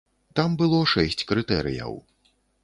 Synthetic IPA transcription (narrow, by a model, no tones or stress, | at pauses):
t̪ambɨlˠɔʂɛsʲt͡sʲkɾɨt̪ɛɾɨ̰jɐ̰w